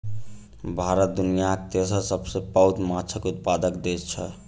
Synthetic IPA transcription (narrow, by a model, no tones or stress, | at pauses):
bʱaɾət̪̚d̪unijakt̪esəsəbsepawt̪mat͡ʃʰəkut̪̚pad̪əkd̪et͡ʃʰə